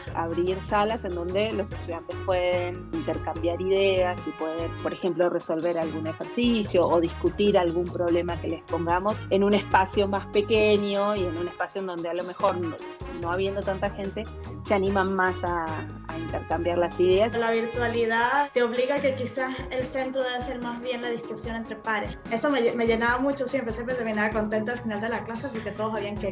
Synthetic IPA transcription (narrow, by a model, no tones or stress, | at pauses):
a̰βɾiɾsalase̞nd̪o̞nd̪e̞lo̞se̞st̪uðjant̪e̞spwe̞ðen | int̪e̞ɾkambjaɾiðeasipwe̞ðenpoɾexe̞mplo̞re̞so̞lβe̞ɾalɣune̞xeɾsisjo̞ʔːðiskut̪iɾalɣumpɾo̞βle̞make̞lespoŋɡamo̞se̞nune̞spasjo̞maspe̞keɲjo̞ie̞nune̞spasjoend̪o̞nd̪ealo̞me̞xo̞ɾn | no̞aβje̞nd̪o̞t̪ant̪axe̞nt̪e̞ | seanĩmanmasa̰ː | int̪e̞ɾkambjaɾlasiðe̞aslaβ̞iɾt̪waliðat̪eo̞βliɣake̞kisaselse̞nt̪ɾoðeβaseɾmazβje̞nlaðiskusjo̞nent̪ɾepaɾes | e̞someme̞ʝe̞naβamut͡ʃosje̞mpɾesjempɾet̪eminaβako̞nt̪e̞nt̪oalfinald̪e̞laklaseas̬iket̪o̞ð̞os̬aβiaŋke